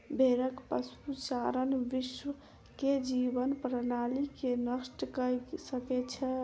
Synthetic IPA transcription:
bʱeɾəkpəsut͡ʃaɾənʋiʃʋə | ked͡ʒibənpɾənalikenəsʈkəjsəkɛt͡ʃʰɛ

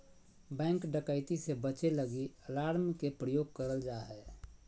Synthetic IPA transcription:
bɛ̃ːŋkɖəkəɪt̪isebət͡ʃeləɡiəlaːɾmkepɾəjoːɡ̚kəɾəld͡ʒaːɦɛ

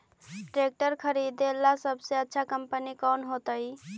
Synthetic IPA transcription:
ʈɾek̚ʈəɾkʰəɾid̪elːasəbʱseətːʃʰakəmpənikɔnɦot̪əj

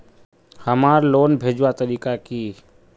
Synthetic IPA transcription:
həmaːɾloːnbʱeːd͡ʒwat̪əɾiːkakiː

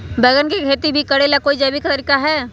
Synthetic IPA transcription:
bɛːɡənkekʰeːt̪ibʱikɐɽelakoːid͡ʒɐːbikt̪ɐɾiːkaɦɛː

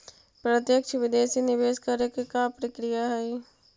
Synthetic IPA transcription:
pɾət̪jəkʃʋɪd̪eːsinɪʋeːskɐɾekkapɾəkɾɪjaɦɛi

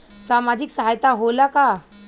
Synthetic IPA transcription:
samad͡ʑiksəɦajt̪aɦolaka

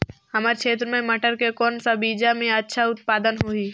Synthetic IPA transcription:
hɐmaːɾkʰʃʰeːt̪ɾəmẽmɐʈəɾkekɔːnsabiːd͡ʒamẽɐtːʃʰaʊt̪paːd̪ənɦoiː

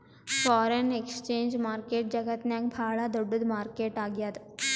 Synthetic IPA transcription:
fɔːɾenekst͡ʃẽːɲd͡ʒmaːɾkeːʈ̚d͡ʒəɡət̪njãk̚bʱaːɭad̪uɖud̪maːɾkeːʈaɡjaːt̪

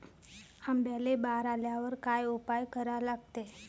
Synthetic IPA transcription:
hambalebaɾaljaʋəɾkajupajkəɾalaɡ̚t̪e

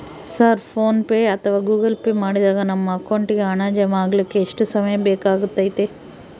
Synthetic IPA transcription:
sɐɾpʰoːnpeːɐt̪ʰɐʋaːɡuːɡɐlpeːmaːɽid̪aːɡɐnɐmːɐkːoɳʈiɡeɐɳaːd͡ʒɐmaːɡɐlikːe̞ːʂʈusɐmɐjɐbɛːkaːɡut̪ːaːjt̪ːe

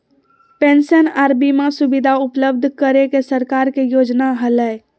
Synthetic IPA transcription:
pensənaːɾbimasʊbɪd̪ʱaʊpləbd̪ʱkəɾekesəɾkaːɾkejoːd͡ʒnaɦələ

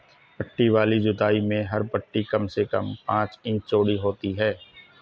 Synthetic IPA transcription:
pɐʈːiʋaːlid͡ʒʊd̪aːimẽɦɐɾpəʈːikɐmsekɐ̰mpãːt͡ʃĩːk̚t͡ʃoːɽiɦoːt̪iɦɛː

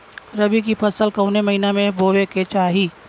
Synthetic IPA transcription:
ɾəbikipʰɐsəlkɐʊnemɐɦinamẽʋoʋeket͡ʃaːɦiː

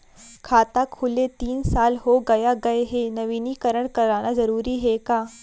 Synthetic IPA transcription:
kʰaːt̪akʰulet̪iːnsaːlɦoɡɐjaɡəeɦenəʋiniːkəɾəɳkɐɾaːɽ̃azəɾuːɾiːɦekaː

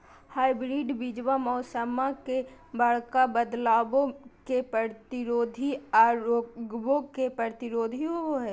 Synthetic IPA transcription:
haːɪbɾiːɖbid͡ʒʋamɔːsəmakebəɭkabəd̪laːbõkepɾət̪ɪɾoːd̪ʱiaːɾoːɡbõkepɾəɾt̪ɪɾoːd̪ʱiooɦɛː

